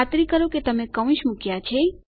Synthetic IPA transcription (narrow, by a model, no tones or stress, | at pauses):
at̪ɾikəɾoket̪əmekəʋ̃ʃmukjat͡ʃʰe